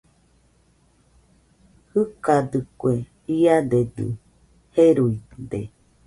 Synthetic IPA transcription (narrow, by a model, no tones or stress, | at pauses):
hɨkad̪ɨkwe | iad̪ed̪ɨ̰ | heɾuid̪e